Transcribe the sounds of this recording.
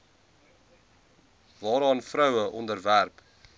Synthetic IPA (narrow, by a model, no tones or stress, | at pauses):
vɑːɾɑːnfɾœwəʔɔndərværp